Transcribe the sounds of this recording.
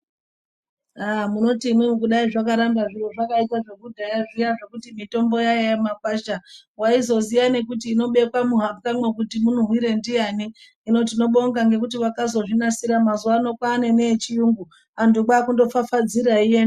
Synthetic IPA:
amuno̞timun̤ukuɗaiʐakaɾambaʐiro̞ʐakaitaʐe̞kudʱajaʐijaʐe̞kutimito̞mbo̞jajajemapaʃawaizo̞zijane̞kutiːno̞ɓe̞kwamuɦakamwe̞k̬utimun̤uɦwiɾe̞ndijaniː | no̞t̬ino̞ɓo̞ŋɡaŋɡe̞kutiwakazo̞ʐinasiɾamazuwano̞kwaːne̞net͡ʃijuŋɡu | andukaːkundo̞fafad͡ziɾaijen

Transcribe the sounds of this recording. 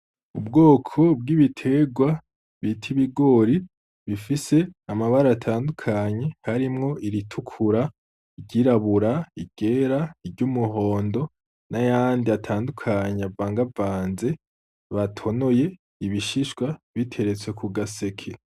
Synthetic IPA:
ubɡo̞ːkʰo̞b̚ɡiβitʰe̞ɡwa | βitʰiβiɡo̞ɾi | βifise̞amaβaɾaatʰaːndukʰaɲe̞haɾimŋo̞ʔiɾitʰukʰuɾa | iɟiɾaβuɾaiɡ̥e̞ɾaiɾɟumuɦo̞ːndo̞ | najaːndiatʰaːndukʰaɲeavaːŋɡavaːnze̞ | βatʰo̞no̞je̞ | iβiʃiʃɡwaβitʰe̞ɾe̞t͡swe̞kuɡase̞kʰe

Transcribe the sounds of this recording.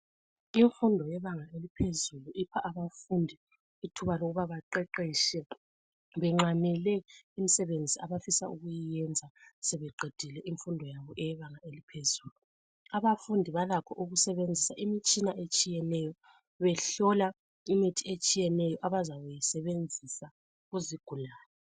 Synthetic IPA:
iɱfundʱɔjɛβaŋaelipʰezuluʔipʰaʔaβafundʱi | itʰuβaloɣuβaβaǃɛǃiːʃɛ | βɛŋ͡ǁamɛlɛimisɛβend͡zʱiaβafisauɣujijɛnd͡zʱasɛβɛǃed̥ʱilɛʔiɱfundʱɔjaβɔʔɛjɛβaŋaelipʰezuːlu | aβafundʱiβalakʰɔʔuɣusɛβend͡zʱisaʔimit͡ʃʼinaʔet͡ʃʼijɛnɛjɔ | βɛɬɔla | imitʰiet͡ʃʼijɛnɛjɔʔaβazaβujisɛβend͡zʱisa | ɣuziɡ̥ʱulaːlɛ

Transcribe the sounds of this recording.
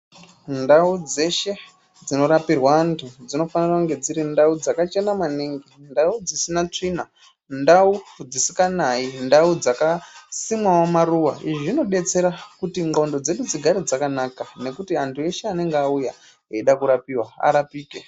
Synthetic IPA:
ndaud͡ze̞ʃe̞ | d͡zino̞ɾapirwaːntʰud͡zino̞fanirakuŋɡe̞d͡ziɾindaud͡zakat͡ʃe̞namaniŋɡindaud͡zisinat͡ʂina | ndaud͡zisi̥kanaindaud͡zakasimwawamaruwa̰iʐoʐino̞ɗe̞t͡se̞ɾakutiŋɡaundo̞d͡ze̞ɗud͡ziɡʱaɾid͡zakanakane̞kutiantʰue̞ʃe̞ane̞ŋɡeauja | eiɗakuɾapiːwaa̰ɾapiːke

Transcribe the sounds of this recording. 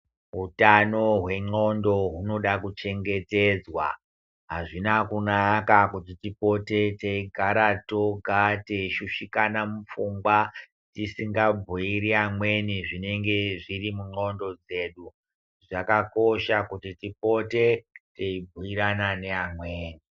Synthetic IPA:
ɦutano̞ɦwe̞ŋ͡ǃo̞ndo̞ɦuno̞ɗakut͡ʃe̞ŋɡe̞te̞d͡zwa̰ | ɦaʐinakunakakutitipo̞te̞teiɡʱaɾato̞ɡʱate̞iʃuʃikanamufuŋɡwa | tisiŋɡabʱuiɾiamwe̞niʐine̞ŋɡe̞ʐirimuŋ͡ǃo̞ndo̞d͡ze̞ɗu | ʐakako̞ʃakutitipo̞te̞teibʱuiɾanane̞amweːni

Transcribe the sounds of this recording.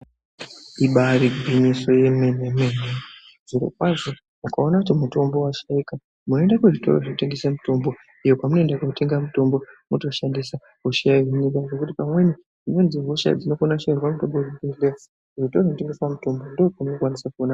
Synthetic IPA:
iɓariɡʱwiɲiso̞je̞menemene | z̥uɾo̰kwaʐo̞ | mukao̞nakut̬imuto̞mbo̞waʃaika | muno̞endakuʐito̰ro̰ʐekute̞ŋɡesamuto̞mbo̞ | ijokwamuno̞endakute̞ŋɡamuto̞mbo̞muto̞ʃandisa | kuʃiaɦiɲiɡaʐo̞kutipamwe̞ni | d͡zino̞nziɦoʃa̰d͡zino̞konaʃairwamutomboribele̥ | ʐitoʐonteŋɡeswamuto̞mbo̞ndokunokwanisakuona

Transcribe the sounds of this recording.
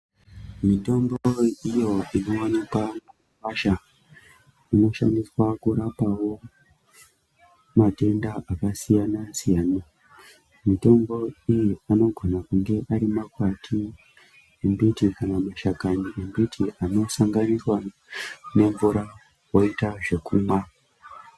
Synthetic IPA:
mito̞mboijo̞ino̞wanikwamuuwaʃa | ino̞ʃa̰ndiswakuɾapawo̞ | mate̞ndaʔakasijanasijaːna | mito̞mbo̞ijiano̞ɡʱo̞nakuŋɡe̞ʔaɾimakwatʰi | embitikanamaʃakaniʔembitʰiʔano̞saŋɡaniswa | ne̞ɱvuɾa | wo̞itaʐe̞kuːmwa

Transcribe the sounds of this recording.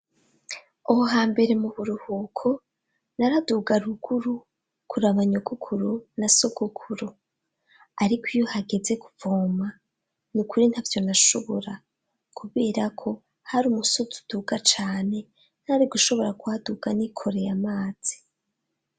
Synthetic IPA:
ohoɦaːmbe̞ɾe̞muβuɾuhuːkʰo̞ | naɾaduɡaɾuɡuɾu | kʰuɾaβaɲoɡukʰuɾunaso̞ɡukʰuɾu | aɾikʰijohaɡe̞ze̞ku̥voːma | nukuɾin̥haːvjo̞naʃo̞βo̞ɾa | kʰuβeːɾakʰo̞ | haɾuːmusotu̥d̥uɡat͡ʃaːne̞ | n̥haɾiɡuʃo̞βo̞ɾakuaduɡ̥anikʰo̞ɾe̞jamaːz̥i̥

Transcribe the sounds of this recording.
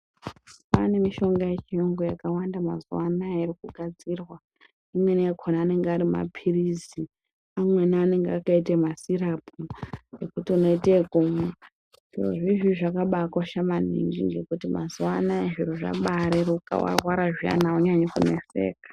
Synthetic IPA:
pane̞miʃo̞ŋɡaje̞t͡ʃioŋɡojakawandamazuwanaiɾikuɡʱad͡zirwa | imwe̞nakʰonaːne̞ŋɡeaɾima̰pʰirizi | amwe̞naːne̞ŋɡeakaitemasirapʰuekutiuno̞itekuma | ʐ̥iro̰ʐiʐiʐakaɓakwaʃaman̤ḭŋɡḭŋɡekutima̰zuwanaeʐiɾoʐa̰ɓaɾeɾuka̰wa̰rwaɾaʐia̰nauɲaɲokune̞̰se̞̰ːkḁ

